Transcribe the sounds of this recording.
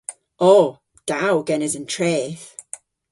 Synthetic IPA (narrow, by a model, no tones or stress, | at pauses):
ɔː | d̥awɡɛnɪzə̃ntʰɹ̥ɛːθ